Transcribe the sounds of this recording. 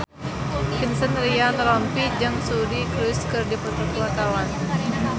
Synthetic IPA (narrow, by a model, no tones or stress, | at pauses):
kinsənɾianrɔmpid͡ʒaŋsuɾikɾuskɨrdipərt̪ut̪uat̪awan